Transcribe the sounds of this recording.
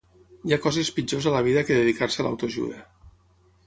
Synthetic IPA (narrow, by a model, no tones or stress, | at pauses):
jakɔzespid͡ʒozaləβ̞iðəkeðeðikaɾseala̰wt̪oʒṵðə